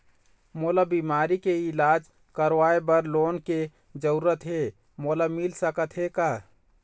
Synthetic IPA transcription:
moːlabiːmaːɾikeɪlaːd͡ʒ | kəɾwaːebəɾloːnke | d͡ʒəuɾət̪ɦe | molamɪlsəkət̪ɦekaɦ

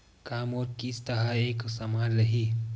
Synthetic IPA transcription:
kaːmoːɾkiːst̪ɐɦaeːksɐmaːɾɾɐɦiː

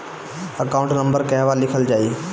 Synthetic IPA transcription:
əkaʊ̃ɳʈnə̃mbəɾkɐɦʋalɪkʰəld͡ʒaːiː

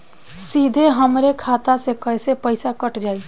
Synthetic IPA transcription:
sid̪ʱeɦəmɾekʰat̪asekəjsepəɪsakəʈd͡ʒaːi

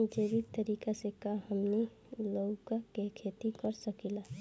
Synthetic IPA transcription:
d͡ʒeːbid̪̚t̪əɾiːkasekaɦəmni | lokkekʰeːt̪ikəɾsəkila

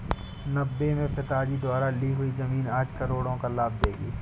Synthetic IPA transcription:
nɐbːemẽpɪt̪aːd͡ʒid̪ʊaːɾaliɦʊizɐmiːnaːd͡ʒkɐɾoːɽõkalaːb̚d̪eːɡiː

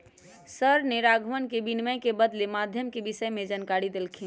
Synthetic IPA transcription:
səɾniɾaɡʱmənkebinməjkebəd̪lemad̪ʱjəmkebisəjmẽd͡ʒankaɾid̪elkʰi

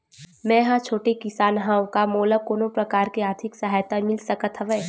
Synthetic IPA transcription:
mɛ̃ɦãt͡ʃʰoːʈekɪsaːnɦãːwõkamoːlakoːnõpɾɐkaːɾkeaːɾt̪ʰɪksɐɦaːjt̪amɪlsɐkət̪ʰɦəʋɛː

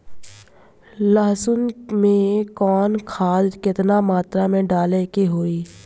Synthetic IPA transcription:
ləɦsʊnmẽkɔːnkʰaːd̪kɪt̪namaːt̪ɾamẽɖaːlekeɦoːiː

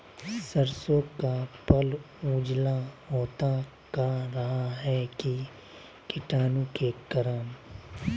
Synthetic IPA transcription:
səɾsõːkapəl | uːd͡ʒlaɦoːt̪a | kaɾɐɦaɦɛki | kɪʈaːnũkekəɾəm

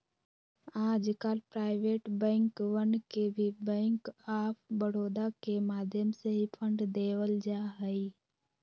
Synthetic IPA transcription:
aːd͡ʒkalpɾaːɪʋeːʈbɛ̃ːŋkwənkebʱibɛ̃ːŋkaːpʰbəɽoːd̪akemaːd̪ʱjəmseɦipʰə̃ɳɖd̪eːwəld͡ʒaːɦəi

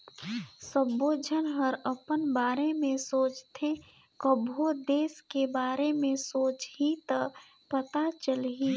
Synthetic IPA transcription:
sə̃boːd͡ʒʱənɦəɾəpənbaːɾemẽsoːt͡ʃt̪ʰẽ | kəbʱod̪eːskebaːɾemẽsoːt͡ʃɦit̪ə | pət̪at͡ʃəlɦi

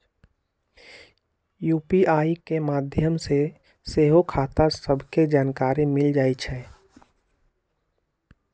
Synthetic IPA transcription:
juːpiʔaːikemaːd̪ʱjəmse | seːɦokʰaːt̪asəbʱked͡ʒaːnkaːɾimɪld͡ʒaːit͡ʃʰɛ

